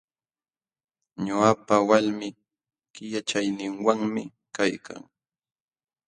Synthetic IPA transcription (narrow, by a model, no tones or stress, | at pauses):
ɲʊapawalmɪ | kɪjat͡ʃajnɪŋwaŋmɪ | kajkʰa̰ŋ